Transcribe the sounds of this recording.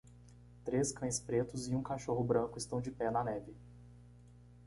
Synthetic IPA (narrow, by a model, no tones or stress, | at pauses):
t̪ɾeskɐ̃j̃spɾet̪ʊzɪũkaʃoɦʊbɾɐ̃kʊɪst̪ɐ̃w̃d͡ʒɪpɛnɐnɛvɪ